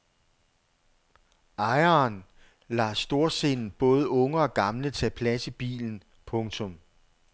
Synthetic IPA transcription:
ʔɑ̈ɪɐːn | lɑ̈sd̥o̝ɐ̰se̝nn̩b̥ɔ̽ːð̞ˠəɔ̽ŋəɒ̽ɡ̥ɑ̈mlət͡sʰɛpʰlæsəb̥ḭːln̩ | pʰɔ̽ŋt͡sʰɔ̽m

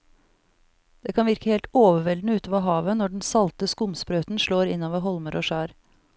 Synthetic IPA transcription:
d̪̥eːkʰɑnʋɪɾkəheːlt̪oːʋəʋɛld̪nəʉːt̪oːʋɑɦɑːʋənɔɖnsɑlt̪əskʊmspɾøːt̪nʃɭoːɾɪnːoːʋəɦɔlməɾʔoːʃæːɾ

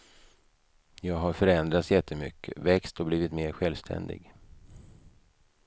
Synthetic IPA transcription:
jɑːɡɦaɾfœɾɛnd̪ɾat̪sjɛt̪ʰːəmʏ̰kʰːəvɛkst̪ɔbliːvɪt̪meːɾɧɛlvst̪ʰɛ̰nd̪ɪ̰ɡ

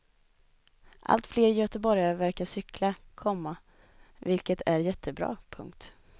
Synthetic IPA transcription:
ʔa̰lt̪fleːɾjœːt̪əbɔɾjaɾvæɾkaʂʏklakʰɔmːa | vɪlkət̪ʰæɾjɛt̪ʰːəbɾɑ̰ːpʰɵ̰ŋk̚t̪

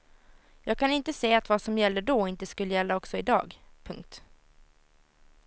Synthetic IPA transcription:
jɑːɡ̚kʰanɪnt̪əseːat̪vasɔmjɛlːəɖoːɪnt̪əskɵlːəjɛlːaɔksɔɪd̪ɑ̰ːɡpʰɵŋk̚t̪

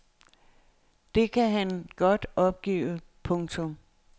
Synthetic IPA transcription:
d̥e̝kʰæɦænɡ̥ɒ̽d̥ɒ̽b̥̚ɡ̥ḭːpʰɔ̽ŋt͡sʰɔ̽m

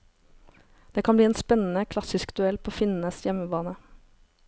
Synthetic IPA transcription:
d̪̥eːkʰɑnbliːeːnspɛnn̩əkʰlɑsɪskd̪ʉɛlpʰoːfɪnn̩əsjɛməbɑːnə

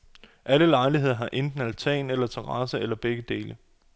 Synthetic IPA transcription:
ʔæləlɑ̈ɪliɦe̝ð̞̰ˠɐɦɑ̈ʔend̥n̩ælt͡sʰɛ̰ːnelɐt͡sʰeʁɑ̈səelɐb̥eɡ̥əd̥e̝ːlə

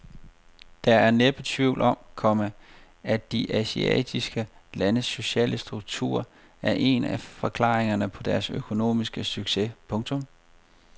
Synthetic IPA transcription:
d̥ɑ̈æɐneb̥ət͡sʰʋiʊlʔɒ̽mkʰɒ̽mə | æ̥d̥iʔæsiɛ̰d̥ʰisɡ̥əlænəsːo̝ɕɛ̰ːləsd̥ʁuɡ̥̚t͡sʰṵɐ̰ | æɐʔe̝næfɒ̽kʰlɑ̰̈ːʁeŋɐnəpʰɒ̽d̥æɐsøkʰo̝no̝̰ːmisɡ̥əsyɡ̥se̝pʰɔ̽ŋt͡sʰɔ̽m

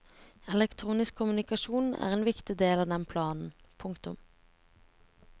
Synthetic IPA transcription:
ɛlɛkt̪ʰʁuːnɪskʰːʊmʉnɪkɑʃuːnn̩æ̰ːʁeːnʋɪkt̪ɪd̪eːlɑːd̪ɛnpʰlɑːnn̩ | pʰʊŋkt̪ʊ̰m

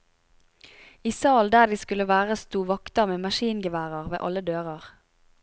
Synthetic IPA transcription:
iːsɑːld̪æːʁd̪iːskʉləʋæːʁəst̪uːʋɑkt̪əmeːmɑʃiːnɡəʋæːʁəʁʋḛːʔɑləd̪øːʁɑʁ

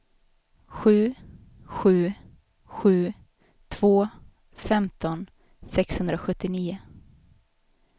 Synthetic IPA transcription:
ɧʉ̟ː | ɧʉ̟ː | ɧʉ̟ː | t̪ʰv̥oː | fɛmt̪ɔn | sɛkshɵnd̪ɾaɧɵt̪ːɪniːʊ

